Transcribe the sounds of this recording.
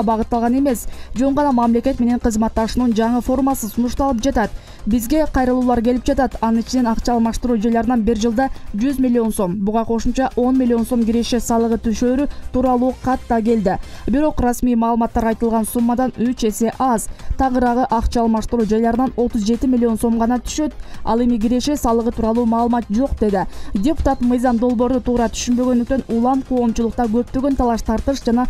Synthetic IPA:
bɑʁɯt̪ːɑlˠʁɑne̞me̞sd͡ʒo̞ɴʁɑnɑmɑmle̞kʲe̞t̪me̞ne̞ɴqɯzmɑt̪ːɑʃunund͡ʒɑɴɯfo̞rmɑsɯsunuʃt̪ɑlˠɯp̚d͡ʒɑt̪ɑt̪ | bizɡe̞qʰɑjɾɯlˠuːlˠɑɾke̞lip̚d͡ʒɑt̪ɑt̪ɑnɯnit͡ʃine̞nɑqt͡ʃɑːlˠmɑʃt̪uɾuːd͡ʒɑjlˠɑɾɯnɑnbiɾd͡ʒɯlˠd̪ɑd͡ʒyzmʲilʲːio̞nso̞mbuʁɑqʰo̞ʃumt͡ʃɑʔo̞nmʲilʲːio̞nso̞mɡʲiɾeʃe̞sɑlˠɯʁɯt̪ʰyʃøːɾyt̪uːɾɑlˠuːqʰɑt̪ːɑɡe̞ld̪ibiɾo̞qrɑsmijmɑːlˠɯmɑt̪ːɑɾɑjt̪ɯlˠʁɑnsumːɑd̪ɑnyt͡ʃe̞se̞ʔɑzt̪ʰɑʁəɾɑʁɯʔɑqt͡ʃɑːlˠmɑʃt̪əɾuːd͡ʒɑjlˠɑɾɯnɑno̞t̪uzd͡ʒe̞t̪imʲɪlʲːio̞nso̞mʁɑnɑt̪ʰy̥ʃø̞t̪̚ɑ̰lˠe̞miɡʲiɾe̞ʃe̞sɑlˠəʁət̪ʰuːɾɑlˠuːmɑːlˠɯmɑt̪̚d͡ʒo̞qd̪e̞d̪ɪdʲepu̥t̪ɑt̪mɯjzɑmd̪o̞lˠbo̞ɾd̪ut̪ʰuːɾɑt̪ʰy̥ʃynbø̞ɡønd̪yk̚t̪ø̞nulˠɑmqʰo̞ːmt͡ʃulˠʊq̚t̪ɑɡø̞p̚t̪øɡø̞nt̪ʰɑlˠɑʃt̪ʰɑɾt̪ɯʃd͡ʒɑnɑ

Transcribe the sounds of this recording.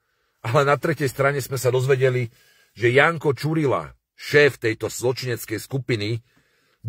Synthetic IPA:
alɛnat̪ɾɛcɛjst̪ɾaɲɛzmɛsad̪ɔzʋɛɟɛli | ʒɛjaːŋkɔt͡ʃuɾila̰ | ʃɛːft̪ɛjt̪ɔz̥lɔt͡ʃiɲɛt͡skɛjskupini

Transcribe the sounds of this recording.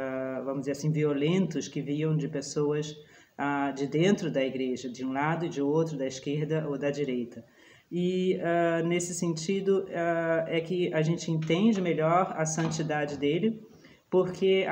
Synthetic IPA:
vɐ̃mʊd͡ʒzeɾasĩviolẽnt̪ʊskɪviɐ̃w̃d͡ʒɪpesoɐs | ad͡ʒɪd̪ẽnt̪ɾʊd̪ɐiɡɾeʒɐd͡ʒɪũlad̪ʊɪd͡ʒɪowt̪ɾʊd̪ɐɪskeɾd̪ɐʔowd̪ɐd͡ʒiɾejt̪ɐ | ɪanesɪsẽnt͡ʃid̪ʊaɛkɪaʒẽnt͡ʃɪẽnt̪ẽnd͡ʒɪmeʎɔɾɐsɐ̃nt͡ʃid̪ad͡ʒɪd̪elɪ | poɾkʰe

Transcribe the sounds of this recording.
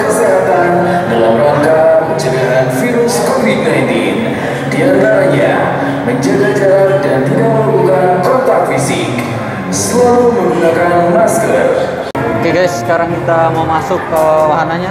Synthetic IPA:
kəseɦat̪an | dalamlɔŋkapəɲd͡ʒəlaɦanfiɾʊskɔmit̚najt̪i | diant̪aɾaɲa | məɲd͡ʒəɡaɡadanduawəukakɔnt̪ak̚fisɪk | səlaɾuməɾukakanmaskər | keɡajsə̥kaɾaŋkit̪amamasʊkəwaɦanaɲa

